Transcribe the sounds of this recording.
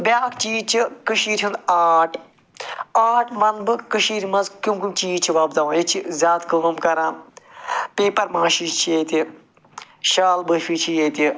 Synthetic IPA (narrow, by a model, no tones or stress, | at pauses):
bʲaːkt͡ʃiːt͡ʃʰikɨʃiːɾʲʰund̪aːʈʰ | aːʈʰmɐnbɨkɨʃiːɾmɐnzkumkumt͡ʃiːt͡ʃʰiʋɐːbd̪aʋjit͡ʃʰizʲaːt̪kɨmɐmkɐɾãː | peːpɐɾmãːʃiːʃt͡ʃʰijet̪i | ʃaːlbɨfiːt͡ʃʰijet̪i